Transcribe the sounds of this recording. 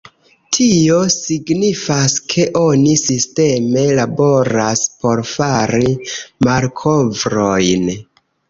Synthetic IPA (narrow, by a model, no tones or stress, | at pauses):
tʰio̞siɡnifaskʰe̞ʔo̞nisiste̞me̞labo̞ɾaspo̞ɾfaɾimaɾkʰo̞vɾo̞jn